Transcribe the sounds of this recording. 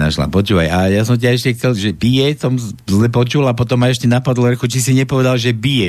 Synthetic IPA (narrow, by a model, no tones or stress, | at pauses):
a̰ʃla̰pɔt͡ʃuːʋa̰jajasɔmt̬aɛʃcɛxt͡sɛlʒɛbijɛsɔmzlɛpɔt͡ʃulapɔt̪ɔmajɛʃcɛnapɔd̪lɛɾxut͡ʃisiɲɛpɔʋɛd̪alʒɛbijɛ